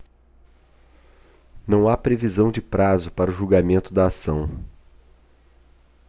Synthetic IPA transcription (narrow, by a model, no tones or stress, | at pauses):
nɐ̃w̃apɾevizɐ̃w̃d͡ʒɪpɾazʊpaɾʊʒuɡamẽnt̪ʊd̪ɐːsɐ̃w̃